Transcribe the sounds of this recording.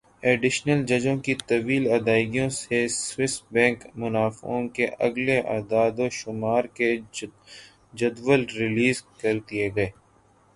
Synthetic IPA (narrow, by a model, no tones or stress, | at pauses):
eːɖɪʃnəld͡ʒɐd͡ʒõkit̪ɐʋiːlɐːd̪aːɪɡijõseswɪsbɛ̃ːŋkmʊnaːfõkeʔɐ̰ɡleʔa̰ːd̪aːd̪oʃʊmaːɾke | d͡ʒɐd̪ʋəlɾɪliːzkɐɾd̪ieɡɐeː